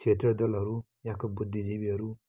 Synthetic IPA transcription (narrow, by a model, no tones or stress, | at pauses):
t͡ʃʰet̪ɾʌd̪ʌlɦʌɾu | jãkobud̪ʱːid͡zibiɦʌɾu